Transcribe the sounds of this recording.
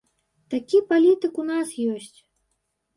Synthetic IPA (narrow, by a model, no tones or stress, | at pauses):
t̪akʲipalʲit̪ɨkunasjɔsʲt͡sʲ